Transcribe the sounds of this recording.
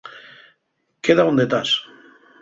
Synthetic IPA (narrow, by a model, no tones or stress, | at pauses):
keðaund̪et̪as